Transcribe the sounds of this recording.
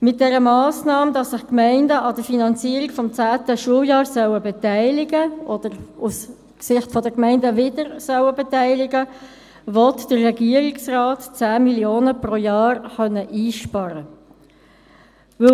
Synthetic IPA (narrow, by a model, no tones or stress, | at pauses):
mɪt̚d̥ɛɾəmɑːsnɑːmdɑsːɪχkmæɪndəɑdəfinɑnt͡siəɾikfɔmt͡sæːtəʃuəwjɑːɾsœwəbɛtæɪlɪɡəʔɔd̥əɾus | ksɪχtfɔdəkmæɪndəvɪd̥əɾsœwəbɛtæɪlɪɡə | vɔtd̥əːɛɡiəɾɪksraːtt͡sæːmiljoːnəprojɑːɾχœnːəʔiːʃpɑɾə | vɵ